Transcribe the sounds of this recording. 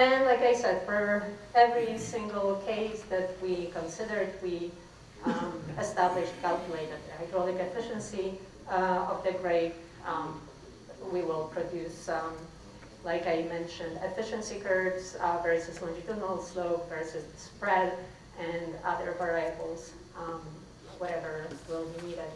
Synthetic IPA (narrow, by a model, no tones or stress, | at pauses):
ɨ̃nlaɪkaɪsɛd̥fə˞ɛvɹisɪ̃ŋɡəl̩ˠkʰeɪsðɨt̚wikə̃nsɪdə˞d̚wi | ɨstæblɪʃtkʰælˠkjəleɪɾɨd̪̚ðhaɪdɹɔnɪkɨfɪʃɨ̃nsi | ʌvðɨɡɹeɪd | wiwɪlˠpʰɹ̥ɔdjʉsʌ | laɪkaɪmɛ̃nʃɨ̃ndɛfɪʃɨ̃nsikʰɜ˞dsvɛ˞sɨslə̃nd͡ʒɨtunəl̩ˠsloʊpvɜ˞sɨsspɹɛd | ʔɨ̃nʌðə˞vɛɹajɨkl̩ˠz | wʌɾɛvə˞wɪlˠbiniɾɪd̚